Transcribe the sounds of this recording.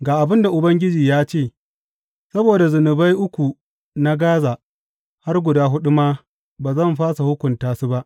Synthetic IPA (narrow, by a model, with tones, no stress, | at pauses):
ɡaː˨ʔa˨bɪ˦nda˨ʔʊ˨bɐ˦ŋɡʲɪ˦d͡ʒiː˨jaː˦t͡ʃeː˦˨ | sɐ˦boː˨da˨zʊ˨nʊ˨ba˦jʔʊ˦kʷu˨ | na˦ɡaː˦zaː˨ | ha˦rɡʷʊ˨daː˦ɦʊ˦ɗʊ˦maː˦ | baː˨zɐ˦˨mɸaː˦sa˨hʊ˦kʷʊ˨ntaː˨su˦ba˦ʔ